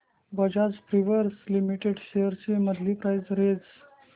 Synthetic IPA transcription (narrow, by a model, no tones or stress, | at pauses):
bəd͡ʑad͡zpɾiʋəɾslimiʈeɖɕeəɾt͡ɕeməd̪ʱlipɾajd͡zɾed͡z